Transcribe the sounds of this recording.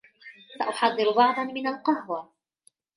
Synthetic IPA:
saʔʊħɑðˤːɨɾb̪ˤɑʕd̪ˤɑnmɪnalqɑhwa

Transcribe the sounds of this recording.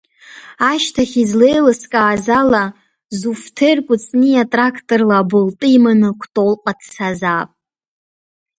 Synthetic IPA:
aʃtʰaχʲizle̞jlɨskʼaːzala | zuftʰerkʷʼʊt͡sʼniatʼrakʰtʼorlaːbɨltʼɨimanɨkʷʰtʼolqʼadʰsazaːpʼ

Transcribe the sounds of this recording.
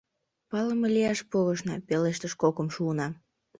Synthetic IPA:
pɑləmeliɑʃpoɣəʃnɑpeleʃt̪əʃkokəmʃuːnɑ

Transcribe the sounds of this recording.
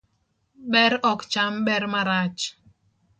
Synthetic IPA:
ɓɛɾɔkt͡ʃamɓɛɾmaɾat͡ʃ

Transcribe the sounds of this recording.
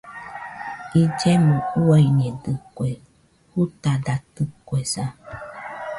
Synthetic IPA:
id͡ʒemõuaiɲẽdɨkwe | hut̪ad̪at̪ɨkwesa

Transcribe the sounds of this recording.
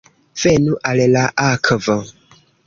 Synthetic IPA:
fɛnuʔalɛlaʔakʰəvə

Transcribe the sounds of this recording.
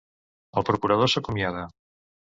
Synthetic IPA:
apɾokuɾað̞osokomjaða

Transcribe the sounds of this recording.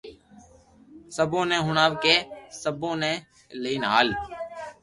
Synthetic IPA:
səbõːnɛ̃ːɦʊɳaːʋkeːsəbõːnɛ̃ː | ləiːnɦa̰ːl

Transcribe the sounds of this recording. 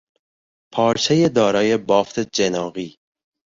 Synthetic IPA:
pʰɒːɾt͡ʃʰejed̪ɒːɾɒːje̞bɒːft̪ʰed͡ʒenɒːɣiː

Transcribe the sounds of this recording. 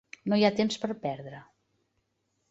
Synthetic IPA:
nojat̪emspəɾpɛɾðɾə

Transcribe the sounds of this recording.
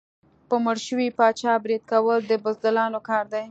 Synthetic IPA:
pəməɽʃəwipɑt͡ʃɑbɾid̪̚kawəld̪əbʊzd̪əlɑnokɑɾd̪aj

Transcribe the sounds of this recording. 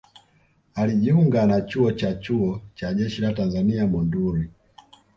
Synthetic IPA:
aliʄiuŋɡanat͡ʃuɔt͡ʃat͡ʃuɔt͡ʃaʄɛʃilatanzaniamunduɾi

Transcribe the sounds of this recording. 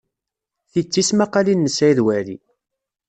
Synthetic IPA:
θit͡sːismaqalinːəsæjðwælḭ

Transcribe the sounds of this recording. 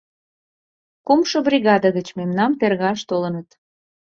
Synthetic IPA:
kumʃɤ̆briɣɑd̪əɣət͡ɕmemnɑmt̪erɣɑʃt̪olənət̪

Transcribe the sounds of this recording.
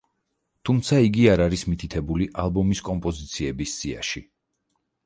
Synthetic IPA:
t̪ʰumt̪sʰaiɡiaɾaɾismit̪ʰit̪ʰɛbuliʔalˠbɔmiskʼɔmpʼɔzit̪sʰiɛbisz̥ia̰ʃi

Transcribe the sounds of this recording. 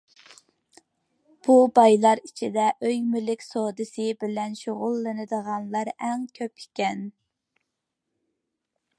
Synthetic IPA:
b̥ubɑjlˠɑɾit͡ʃʰid̪ɛʔøjmylɪkʲsod̪ɨsɨbɪlɛnʃoʁʊlˠːɨnɨd̪əʁɑnlˠɑɾæŋkʲʰøpikʲɛn

